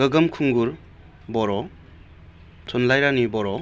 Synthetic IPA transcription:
ɡəɡəmkʰuŋɡuɾ | bɔɾɔ | tʰɔnlajɾanibɔɾɔ

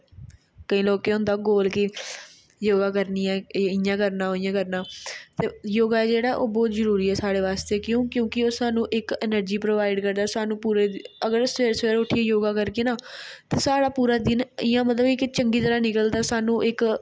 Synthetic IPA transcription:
kəĩːloːkeːɦʊ̃ːnd̪aːɡoːlkɪ | joːɡaːkəɾniːɛːɪjãːkəɾnãːɦoːɪjãːkəɾnãːt̪eːjoːɡaːɛd͡ʒeːɽaːɛʔo̰ːbɔːt̪zəɾuːɾiːɛːsaːɽeːʋaːst̪eːkjõːkjõːkɪoːsaːnũːʔɪkɛnəɾd͡ʒiːpɾoːʋaːɪɖkəɾd̪aːsaːnũːpuːɾeːəɡəɾseːɾseːɾʊʈʰiɛːjoːɡaːkəɾkeːnaːt̪eːsaːɽaːpuːɾaːd̪ɪnɪjãːmət̪ləbeɪkt͡ʃəŋɡiːt̪əɾaːnɪkəld̪aːsaːnũːʔɪk

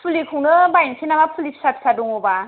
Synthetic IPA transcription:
pʰulikʰuŋnɯbajnsʰinamapʰulipsapʰsaduŋɔba

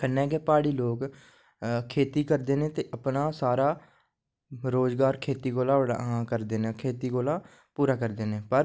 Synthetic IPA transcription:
kənːɛːɡɛːpaːɽiːloːk | kʰeːt̪iːkəɾd̪eːnẽːt̪eːʔəpnaːsaːɾaː | ɾoːzɡaːɾkʰeːt̪iːɡoːlaːəɽa̰kəɾd̪eːnẽːkʰeːt̪iːɡoːlaː | puːɾaːkəɾd̪eːnẽːpəɾ

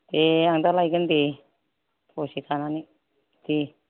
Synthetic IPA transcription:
t̪eaŋt̪alaikənt̪i | osit̪anani | t̪i

